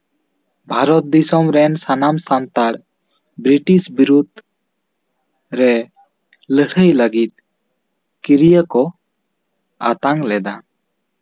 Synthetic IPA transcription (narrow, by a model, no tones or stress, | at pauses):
bʱaɾɔt̪̚d̪isɔmɾɛnsanamsant̪aɽ | bɾiʈisbiɾud̪̚ | ɾɛ | ləhəjləɡit̪̚ | kiɾijəkɔ | a̰t̪aŋlɛd̪a